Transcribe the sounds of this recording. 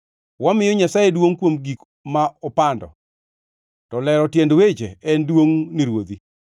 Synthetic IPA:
wamɪjɔɲasajedwoŋkwomɡik | maɔpandɔ̰ | tɔlɛɾɔtjendwet͡ʃeɛndwoŋniɾwod̪i

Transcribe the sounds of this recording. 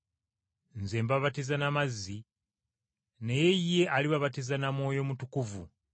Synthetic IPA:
nze̞ːmbaβatizanamazːi | ne̞je̞jːe̞ʔaliβaβatizanamwo̞ːjo̞mutukuvu

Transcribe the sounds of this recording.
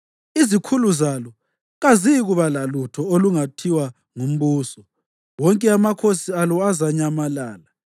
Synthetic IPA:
izikʰuluzalɔ | ɣaziɣuβalalutʰɔoluŋatʰiwa | ŋum̩βuːsɔ | wɔŋkʼɛamakʰosialɔazaɲamalaːla

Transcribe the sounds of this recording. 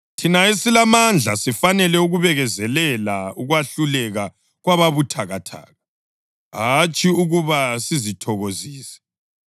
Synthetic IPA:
tʰinaesilamand͡ɮʱasifanɛlɛuɣuβɛɣɛzɛlɛlauɣwaɬulɛɣa | ɣwaβaβutʰaɣatʰa̰ːɣa | ɦat͡ʃʼiuɣuβasizitʰɔɣoziːsɛ̥

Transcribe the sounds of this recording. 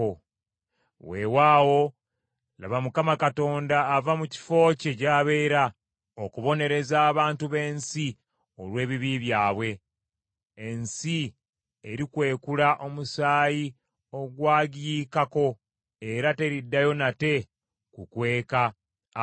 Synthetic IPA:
o | we̞waːwo̞ | la̰βamukamakato̞ːndaːvamuci̥fo̞ːcecaːβe̞ːɾa | okuβo̞ne̞ɾe̞zaːβaːntuβe̞ːnsi | o̞lwe̞ːβiβiβjaːβwe̞ː | nsi | eɾikwe̞ːkulaʔo̞musaːji | o̞ɡwaːɡijikako̞ | e̞ɾate̞ɾidːajo̞nate̞ | kukwe̞ːka

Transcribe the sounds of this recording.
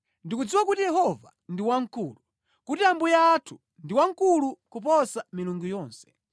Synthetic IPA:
ndikud͡ziwakutijɛhɔva̰ | ndiwaŋkuːlu | kutiambujaːtʰu̥ | ndiwaŋ̩kulukup̬ɔsamiluŋɡujɔːnsɛ̥

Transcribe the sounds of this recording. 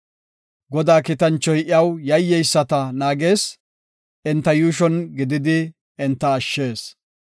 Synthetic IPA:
ɡɔd̪aːkɪt̪ɐnt͡ʃːɔjʔɪɐwjɐjːɛjsːɐt̪ɐnaːɡe̞ːs | ʔɪnt̪ːɐjuːʃ̬ɔnɡɪd̪ɪd̪ɪ | ɪnt̪ːɐːʃːe̞ːs

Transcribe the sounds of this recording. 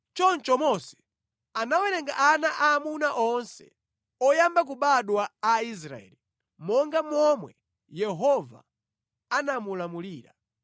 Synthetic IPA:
t͡ʃɔnt͡ʃɔmɔsɛ̥ | anawɛɾɛŋɡaʔanaʔaːmunaʔɔnsɛ̰ | ɔjambak̬uɓaɗwaːis̬ɾa̰ɛ̰ːli | mɔŋɡamɔmwɛ | jɛɦɔva̰ | anamulamuliːɾa

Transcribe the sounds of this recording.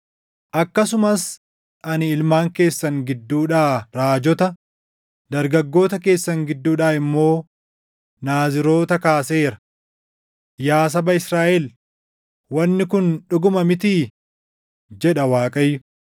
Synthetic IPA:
ʔɐkːɐsʊmɐs | ʔɐnɪɪlmaːŋke̞ːsːɐŋɡɪd̪ːuːᶑaːɾaːd͡ʒɔt̪ɐ | d̪ɐɾɡɐɡːo̞ːt̪ɐke̞ːsːɐŋɡɪd̪ːuːᶑaːɪmːo̞ː | naːzɪɾo̞ːt̪ɐkaːse̞ːɾɐ̥ | jaːs̬ɐbɐɪsɾaːʔɛl | wɐnːɪkʊnᶑʊɡʊmɐmɪt̪iː | d͡ʒɛᶑɐwaːkʼɐjːʊ

